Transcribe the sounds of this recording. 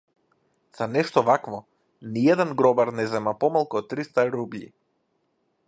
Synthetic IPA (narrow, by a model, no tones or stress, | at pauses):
z̥anɛʃt̪ɔvakvɔ | niɛd̪ɛnɡɾɔbaɾnɛzɛmapɔmalˠkut̪ːɾist̪aɾublḭ